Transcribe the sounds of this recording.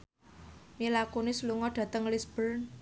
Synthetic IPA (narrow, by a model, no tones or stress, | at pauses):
milakonɪsluŋɔɖ̥a̤t̪əŋlisb̥ər